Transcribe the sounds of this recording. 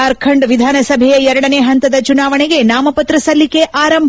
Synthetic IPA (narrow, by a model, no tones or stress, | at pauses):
ɐɾkʰɐɳɖʋid̪ʱaːnɐsɐbʱɛjɐɛɾɐɽɐneːɦɐnt̪ɐd̪ɐt͡ʃunaːʋɐɳeɡe̞naːmɐpɐt̪ɾɐsɐlːike̞ʔʔaːɾɐmb